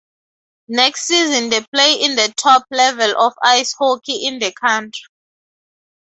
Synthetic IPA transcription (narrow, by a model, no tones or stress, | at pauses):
nɛkstsizĩndepʰleĩnd̪ətʰɔp̚ʰlɛvɛlʔɔfajshokʰiʔĩndəkʰãntʰɹi